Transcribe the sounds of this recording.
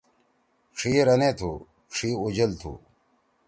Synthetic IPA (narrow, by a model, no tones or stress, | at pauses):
ʂiːɾɐneːt̪ʰṵː | ʂiːud͡ʑɐlt̪ʰṵː